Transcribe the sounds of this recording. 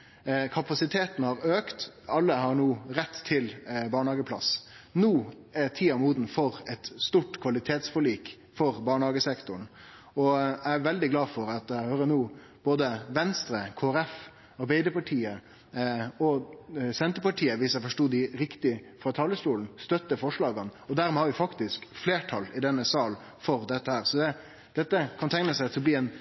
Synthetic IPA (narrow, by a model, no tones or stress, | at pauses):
kʰɑpɑsɪt̪ʰeːt̪n̩hɑɾøːkt̪ | ɑlːəhɑɾɳuːɾɛt̪ʰːɪlbɑːɳhɑːɡəpʰlɑ̰snuː | æt̪ʰiːɑmuːd̪n̩fɔɾɛt̪st̪uːʈkʰʋɑlɪt̪ʰeːt̪sfɔɭiːk | fɔɾbɑːɳhɑːɡəsɛkt̪ʊɳ | ɔææɾʋɛld̪ɪɡlɑːfɔɾɑt̪̚d̪æɪhøːɾənuː | b̥oːd̪əʋɛnst̪ɾəkʰoːæɾɛf | ɑɾbæɪd̪əɾpɑʈʰiːə | ɔsɛnt̪əɾpɑʈʰiːəʋɪsæɪfɔʂʈuːd̪ɪɾɪkt̪ɪfɾɑt̪ʰɑːləstuːln̩st̪œt̪ːəfɔʂɭɑːɡɑnɔd̪æɾmɛːhɑʋɪfɑkt̪ɪskfleːʈʰɑlɪd̪ɛnːəsɑːl | fɔɾd̪ɛt̪ːəhæːɾsɔd̪ɛ | d̪̥ɛt̪ːəkʰɑnt̪ʰæŋnəsæɪt̪ʰɪlbliːɛn